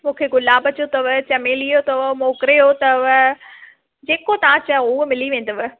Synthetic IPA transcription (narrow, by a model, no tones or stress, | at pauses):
mũːkʰeɡʊlaːbɐt͡ɕot̪ɐʋt͡ɕɐmeːlijot̪ɐʋmoːkɾeot̪ɐʋ | d͡ʑeːkot̪ɐʋãt͡ɕɐʊmɪliʋẽːnd̪ɐʋ